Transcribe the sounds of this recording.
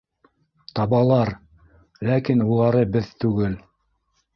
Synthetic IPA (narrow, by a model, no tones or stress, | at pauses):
t̪ɑβɑlˠɑɾ | lækinulˠɑɾɤbɘðt̪ʉɡɘl